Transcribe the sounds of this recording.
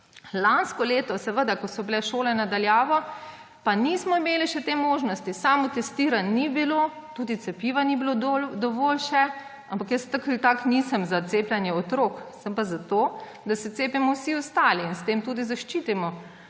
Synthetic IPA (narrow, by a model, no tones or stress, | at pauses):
lanskɔleːt̪ɔsɛʋəd̪akɔsɔbilɛʃoːlɛnad̪aljaːʋɔ | panismɔimeːliʃɛt̪emoːʒnɔst̪isaːmɔt̪ɛst̪iːɾanːibilo | t̪uːd̪it̪sɛpiʋanibilold̪ɔʋoːlʃɛ | ampakjəst̪əkəlt̪aknisəmzat̪seːplʲjɛnjɛɔt̪ɾoːksəmpazat̪o | d̪asɛt̪seːpimɔwsiɔst̪aːliːnst̪eːmt̪uːd̪izaʃt͡ʃiːt̪imɔ